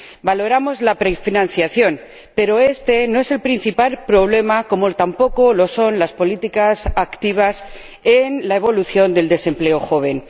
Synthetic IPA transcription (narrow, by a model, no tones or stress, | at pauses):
balo̞ɾamo̞zlapɾefinãn̟θjaθjo̞n | pe̞ɾo̞e̞st̪e̞noe̞se̞lpɾin̟θipalpɾo̞β̞le̞mako̞mot̪ampo̞ko̞lo̞so̞nlaspolit̪ikasakt̪iβ̞as | enlae̞βo̞luθjo̞nd̪e̞ld̪e̞se̞mple̞oxo̞β̞e̞n